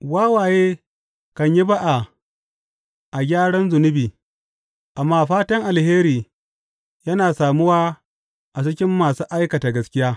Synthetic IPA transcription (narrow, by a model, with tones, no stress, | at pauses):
waː˦waː˨jeː˦ | kɐ˨ɲji˦ba˦ʔa˨ | ʔa˨ɡʲaː˦ɽɐ˦nzʊ˨nʊ˦biː˨ | ʔa˨mːaː˦˨ɸaː˦tɐ˦ŋʔa˨lheː˦ɾiː˨ | jɐ˦naː˨saː˨mʊ˦waː˦ | ʔa˨sɪ˦kʲɪ˦mːaː˨suː˦ʔa˦jkɐ˨ta˨ɡɐ˦skʲɪ˦jaː˦